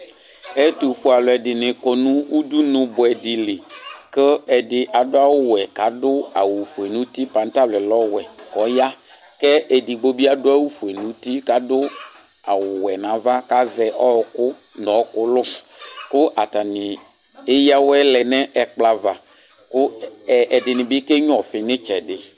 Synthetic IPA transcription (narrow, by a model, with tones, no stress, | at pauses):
ɛ˦t̪u˨fu˨a˨lɔ˨ɛ˨dɪ˨nɪ̃˨kɔ˨nũ˦u˦d̪u˦nʊ̃˨bʊ˨ɛ˨dɪ˨lɪ˨kə˦ɛ˨dɪ˨ʔa˨dʊ˦a˦wʊ˦wɛ˨ka˨˦dʊ˦a̰˨wu˨fu˨e˨nũ˦t̪i˦pa˨n˦t̪a˦˨lɛ˨lɔ˦wɛ˨kɔ˦ja˦ | kɛ˦ʔe˨di˨ɡ͡bo˦bi˦a˦dʊ˦a˦wu˦fu˨e˨nũ˨˦t̪i˦ka˨dʊ˦ | a˨wʊ˨wɛ˨nã˨˦va˦ka˦zɛ˨ʔɔ˦˨kʊ˦nɔ˨˦kʊ˦lʊ˦ | kʊ˦ʔa˨ta˨nɪ˨ | e˦ja˦wɛ˦lɛ˨nɛ̃˦ʔɛ˨k͡pla˨va˨ | kʊ˦˨ɛ˨dɪ˨nɪ̃˨bɪ˦ke˦ɲʊ̃˦ɔ˨fɪ˨nɪ̃˦t͡ʃɛ˨dɪ˨